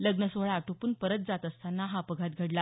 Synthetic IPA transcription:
ləɡnəsoɭaaʈʰopuːnpəɾət̪̚d͡zat̪əst̪ʰanːaɦapəɡʱat̪̚ɡʱəɽla

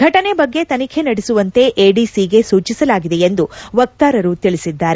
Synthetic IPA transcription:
ɡʱɐʈɐne̞bɐɡːe̞t̪ɐnikʰenɐɽesuʋɐnt̪e̞ʔeːɖisiɡe̞suːt͡ʃisɐlaːɡid̪e̞end̪uʋɐk̚t̪aːɾɐɾut̪iɭisid̪ːaːɾe

